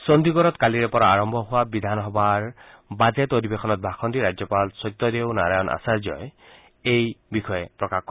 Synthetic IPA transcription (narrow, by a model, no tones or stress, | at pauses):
sɔnd̪ʱiɡɔɾɔt̪kaliɹɛpɔɹaaɹɔmbʱɔɦʊwabid̪ʱanɦɔbaɹ | bazetoɾibexʰɔnɔt̪̚bʱakʰɔnd̪iɾad͡ʒjɔpalsɔjt̪ːɔd̪eʊnaɾajɔnʔa̰saɹzɔ̰j | ejbixʰɔɛpɹɔkakːɔ